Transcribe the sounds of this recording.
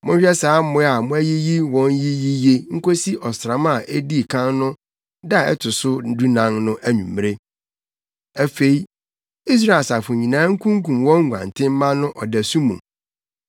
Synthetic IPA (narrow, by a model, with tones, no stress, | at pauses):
mʊ̃˦hᶣɛ˦saː˨˦m˦mʊ̃˦a˨mʊ̃˦æ˦ji˦ji˦wɔ̃˦nji˦ji˦je˦ŋ̩˦ko˦si˦ʔɔ˨sɾã˨˦mã˦˨ʔe˦di˦˨kʰã˦nnʊ̃˦ | da˦˨ɛ̰˦tʰʊ˨sʊ˦du˦nã˨ŋnʊ̃˦ʔæ˦ɲṵ̃˨mː˦e˦ | æ˨fe˨i˨ | i˦s̬ɾa˨e˨sa˨fʊ˨ɲĩ˨nã˨˦ŋ̩˦kʰũ˦ŋkũ˨mwɔ̃˦ŋ˦ɡʷã̰˨ntʰɪ̃˦m˦mã˦nʊ̃˦ʔɔ˨dæ˨su˦mṵ̃˨m